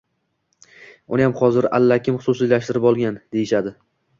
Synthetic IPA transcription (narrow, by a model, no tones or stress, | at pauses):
ʊnɪjamχɒzɪɾa̰lːakʲʰɪmχʊ̥sʊsijlaʃt̪ɪɾɪpɒlˠɡʲand̪̥e̞jɪʃad̪ɪ